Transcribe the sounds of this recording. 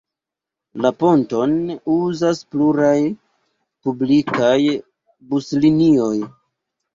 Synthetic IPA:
lapo̞nto̞nuzaspluɾaj | publikaj | buslinio̞j

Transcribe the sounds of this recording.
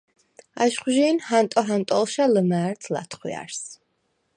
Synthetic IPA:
aʃχwʒiːnhant̪ʼɔɦant̪ʼɔlˠʃaləmæːɾt̪ʰla̰t̪ʰχwḭa̰ɾs

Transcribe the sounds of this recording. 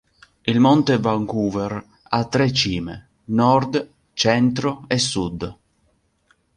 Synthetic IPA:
ilmɔnt̪evaŋkuːver | at̪ːɾɛt͡ʃiːmḛ | nɔrd̪ | t͡ʃɛnt̪ɾoɛsːud̪

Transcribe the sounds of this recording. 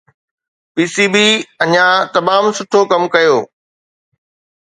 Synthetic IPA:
piːsiːbiːɐɲãt̪ɐmaːmsʊʈʰokɐmkɐjoː

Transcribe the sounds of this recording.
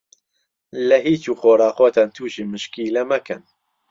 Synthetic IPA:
lɐɦiːt͡ʃuːxoːɾɑːxoːt̪ʰaːnt̪ʰuːʃiːmɨʃkiːlɐmɐkʰɨn

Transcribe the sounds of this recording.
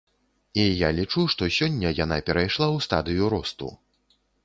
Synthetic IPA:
ijalʲit͡ʂuʂt̪ɔsʲɔnʲːɐjan̪apʲɛɾajʂlˠawst̪ad̪ɨjuɾɔst̪ṵ

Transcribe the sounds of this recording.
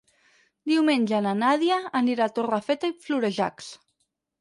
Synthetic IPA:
d̪iwmenʲʒananaðjaːniɾat̪orafet̪aifluɾeʒa̰ks

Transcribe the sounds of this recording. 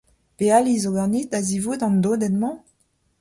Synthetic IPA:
pealizoɡaʁnid̪azivud̪ɑ̃nd̪od̪ɛnmɑ̃

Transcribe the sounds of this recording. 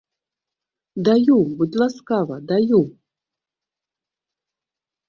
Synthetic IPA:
d̪ajubud̪laskavad̪aju

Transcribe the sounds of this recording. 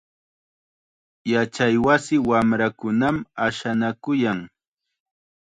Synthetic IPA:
jat͡ʃajwasɪwamɾakʊnamaʃanakʊjaŋ

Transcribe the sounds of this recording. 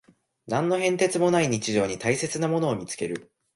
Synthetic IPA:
nãnːo̞ɦẽ̞nt̪e̞t͡sɨmo̞naiɲ̟it͡ɕiʑo̞ːɲ̟it̪aise̞t͡sɨnamo̞no̞ːmʲit͡sɨ̥ke̞ɾɯ̟

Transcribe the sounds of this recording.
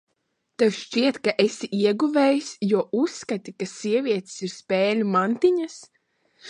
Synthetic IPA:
t̪ɛwʃt͡ʃiɛt̪kaʔesiʔiɛɡuvɛːjsʲjuɔʔusːkat̪ikasʲiɛvʲiɛt̪siɾspɛːlʲumant̪iɲas

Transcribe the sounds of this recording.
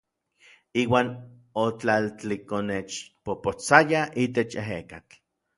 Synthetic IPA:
iːwaːn | ot͡ɬalt͡ɬikonet͡ʃpopot͡sajaʔit̪et͡ʃeɦekat͡ɬ

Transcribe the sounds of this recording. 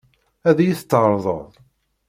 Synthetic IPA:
æðæjiθt͡s̪ːəɾˤðˤə̰ðˤ

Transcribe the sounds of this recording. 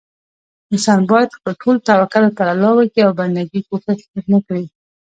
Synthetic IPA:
ɪsɑnbɑjad̪xpəlʈʰolt̪awakaɾəpaɾalɑwəkiawband̪aɡikosaʃkaknəkɽi

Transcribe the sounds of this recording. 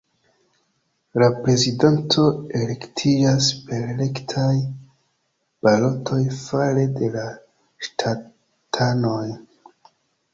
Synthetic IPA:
lapɾe̞zidantʰo̞e̞le̞ktʰid͡ʒaspe̞ɾle̞ktʰaj | b̥alo̞tʰo̞jfale̞de̞la | ʃtʰa | tʰano̞j

